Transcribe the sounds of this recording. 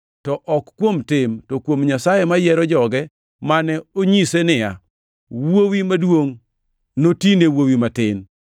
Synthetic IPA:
tɔʔɔkkːwomtɪmtɔkwomɲasajemajɛɾɔd͡ʒɔɡɛ | manɛoɲisenɪja̰ | wowimadwoŋ | notinewowimatɪn

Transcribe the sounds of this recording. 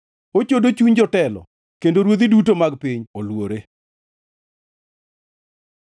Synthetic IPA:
ot͡ʃodot͡ʃuɲd͡ʒɔtɛlɔ̰ | kendoɾwod̪idutomaɡpiɲolwoɾe

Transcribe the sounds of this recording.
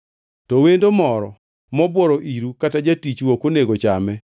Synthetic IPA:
tɔwendomɔɾɔ̰ | mɔbwɔɾoʔiɾukatad͡ʒatit͡ʃwokoneɡot͡ʃamɛ

